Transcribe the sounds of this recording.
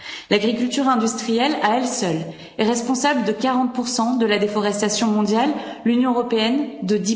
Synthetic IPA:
laɡʁikʲylt̪yʁɛ̃d̪yst̪χijɛlaɛlsœl | ɛʁɛspɔ̃sabləd̪əkaʁɑ̃t̪̚puʁsɑ̃d̪əlad̪efɔʁɛst̪asjɔ̃mɔ̃d̪jalːynjɔ̃əʁɔpeɛnd̪əd̪i

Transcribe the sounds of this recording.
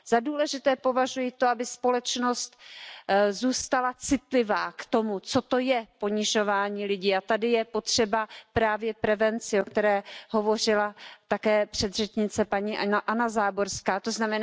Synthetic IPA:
z̥aduːlɛʒɪt̪ɛːpo̞vaʒujɪt̪o̞abɪspo̞lɛt͡ʃno̞st̪ | zuːst̪alat͡sɪt̪lɪvaːkt̪o̞mut͡so̞t̪o̞jɛpo̞ɲɪʒo̞vaːɲiːlɪɟiːat̪adɪjɛpo̞t̪r̥ɛbapɾaːvjɛpɾɛvɛnt͡sɪo̞kt̪ɛɾɛːɦo̞vo̞r̝ɪlat̪akɛːpr̥ɛd̪rɛt͡ʃɲɪt͡sɛpaɲiːʔʔanazaːboɾskaːt̪o̞znamɛn

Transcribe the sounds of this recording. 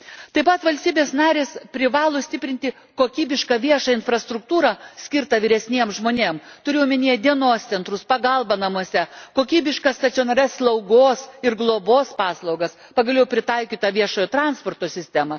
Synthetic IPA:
t̪ɐɪpɐt̪ʋɐlʲst̪ʲiːbʲeːsnɑːɾʲeːspʲɾʲɪʋɑːlˠoːsʲt̪ʲɪpʲɾʲɪnt̪ʲɪ | koːkʲiːbʲɪʃkɐːʋʲiɛʃɐɪnfɾɐst̪ɾʊk̚t̪uːɾɐsʲkʲɪɾt̪ɐʋʲɪɾʲɛsʲnʲiɛmʒmoːnʲeːmt̪ʊɾʲɪjɛːmʲɪnʲiɛd̪ʲiɛnoːst̪sʲɛnt̪ɾʊspɐɡɐlˠbɐnɐmuɔsʲɛkoːkʲiːbʲɪʃkɐst̪ɐt̪ʲoːnɐɾʲɛsslˠɐʊɡoːsɪɾɡlˠoːboːspɑːslˠɐʊɡɐs | pɐɡɐlʲɛʊpʲɾʲɪt̪ɐɪkʲiːt̪ɐʋʲiɛʃoːjoːt̪ɾɑnspoːɾt̪oːsʲɪsʲt̪ʲæmɐ

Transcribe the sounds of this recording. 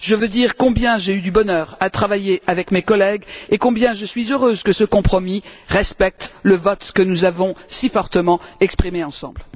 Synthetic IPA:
ʒəvød̪iʁkɔ̃bjɛ̃ʒeyd̪ybɔnœːʁat̪χavajeʔavɛkmekɔlɛɡekɔ̃bjɛ̃ʒəsɥizøʁøzkəsəkɔ̃pχɔmiʁɛspɛk̚t̪ləvɔt̪kənuzavɔ̃sifɔʁt̪əmɑ̃ɛkspχimeɑ̃sɑ̰̃bl

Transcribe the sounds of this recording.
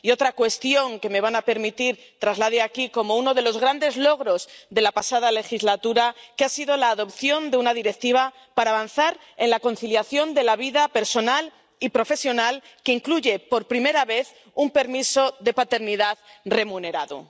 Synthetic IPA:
io̞t̪ɾakwe̞st̪jo̞ŋke̞me̞β̞anape̞ɾmit̪iɾ | t̪ɾazlaðeakiko̞mo̞uno̞ð̞e̞lo̞zɣɾand̪e̞zlo̞ɣ̞ɾo̞zd̪e̞lapasað̞ale̞xizlat̪uɾakeasið̞o̞laːðo̞pθjo̞nd̪eunaðiɾe̞k̚t̪iβ̞a | paɾaːβ̞anθaɾ | e̞nlako̞nθiljaθjo̞nd̪e̞laβiðape̞ɾso̞nal | ipɾo̞fe̞sjo̞nal | keiŋkluʝe̞po̞ɾpɾime̞ɾaβe̞θ | umpe̞ɾmiso̞ðe̞pat̪e̞ɾniðaðre̞mũne̞ɾaðṵ

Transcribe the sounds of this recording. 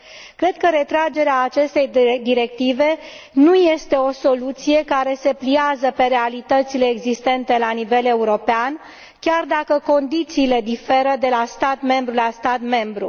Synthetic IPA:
kɾe̞d̪kəɾe̞t̪ɾad͡ʒe̞ɾeaːt͡ʃe̞st̪e̞jd̪iɾe̞kt̪ive̞ | nuje̞st̪e̞o̞so̞lut̪sije̞kaɾe̞se̞pliazəpe̞ɾe̞alit̪ət̪sile̞ːɡzist̪e̞nt̪e̞lanive̞le̞uɾo̞pean | kʲard̪akəko̞nd̪it̪siːle̞d̪ife̞ɾəd̪e̞last̪at̪me̞mbɾulast̪at̪me̞mbɾu

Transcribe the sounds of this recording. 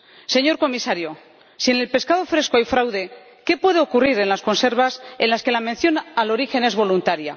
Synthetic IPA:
se̞ɲo̞ɾko̞misaɾjo̞ | sie̞ne̞lpe̞skað̞o̞fɾe̞sko̞ajfɾawðe̞ | ke̞pwe̞ð̞eo̞kuriɾe̞nlasko̞nse̞ɾβ̞ase̞nlaske̞lamẽ̞nθjo̞nalo̞ɾixe̞ne̞zβo̞lunt̪aɾja

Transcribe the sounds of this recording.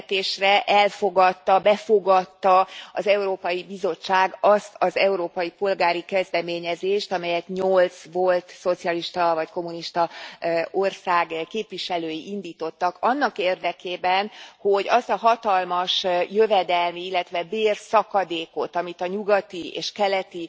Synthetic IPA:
t̪eːʃrɛʔɛlfo̞ɡɒt̪ːɒbɛfoɡɒt̪ːɒɒzɛuɾoːpɒjibizo̞t͡ʃːaːɡɒst̪ɒzɛuɾoːpɒjipo̞lɡaːɾikɛzd̪ɛmeːɲɛzeːʃt̪ɒmɛjɛt̪ɲo̞lt̪svo̞lt̪so̞t̪siɒliʃt̪ɒvɒcko̞muniʃt̪ɒ | orsaːɡkeːpʋiʃɛløːjiʔind̪iːt̪o̞t̪ːɒkɒnːɒkeːrd̪ɛkeːbɛnho̞ɟɒst̪ɒɦɒt̪ɒlmɒʃjøvɛd̪ɛlmiilːɛt̪ʋɛbeːrsɒkɒd̪eːko̞t̪ɒmit̪ɒɲuɡɒt̪iḛːʃkɛlɛt̪i

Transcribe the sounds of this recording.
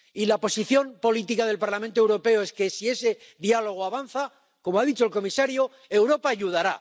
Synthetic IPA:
ilapo̞siθjo̞mpo̞lit̪ikaðe̞lpaɾlamẽnt̪owɾo̞pe̞oe̞ske̞sie̞se̞ | ðjalo̞ɣ̞oaβanθa | ko̞moaðit͡ʃoelko̞misaɾjo | e̞wɾo̞paːʎuð̞aɾa

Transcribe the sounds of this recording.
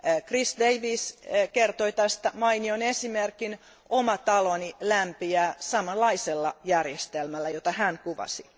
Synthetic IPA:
krisd̪eiʋiskert̪oit̪æst̪æmɑinionesimerkin | omɑt̪ɑlonilæmpiæːsɑmɑlːɑiselːɑjærjest̪elmælːæjot̪ɑhæŋkuʋɑ̰si

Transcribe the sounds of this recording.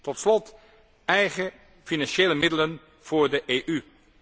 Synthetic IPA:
tɔtslɔt | ɛjχə | finɑnʃeːləmɪdələn | v̥ʊːɹdəʔeːʔy

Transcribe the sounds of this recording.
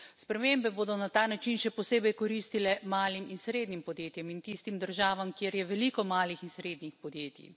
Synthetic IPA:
spɾɛmembɛboːd̪ɔnat̪aːnat͡ʃinʃɛpɔseːbɛjkɔɾist̪ilɛmaːliminsɾeːd̪nimpɔd̪jeːt̪jɛmint̪ist̪imd̪əɾʒaːʋamkjeɾjɛʋɛlikɔmaːlixinsɾeːd̪nixpɔd̪jeːt̪ḭ

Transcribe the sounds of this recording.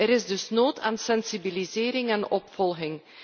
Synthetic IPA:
əɾɪzdɵsnoːtʰaːnsɛnsibilizeːɾɪŋɛnɔpfɔlˠɣɪŋ

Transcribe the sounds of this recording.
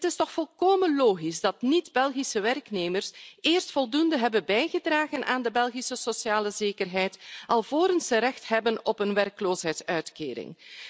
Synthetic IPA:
tɪstɔxfɔlˠkoːmənloːɣizdɑtnidbɛlˠɣisəʋɛrkneːmərseːrstfɔlˠdundəɦɛbənbɛjɣədraːɣənʔaːndəbɛlˠɣisəsosjaːləzeːkərɦɛjtɑlˠvoːɾənsəɾɛxtɦɛbənɔpənʋɛrkəloːsɦɛjtsœɥtkḛːɾɪ̰ŋ

